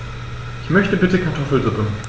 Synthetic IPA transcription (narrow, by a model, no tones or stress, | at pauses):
ʔɪçmœçtəbɪtəkʰaɐtʰɔfl̩zʊpn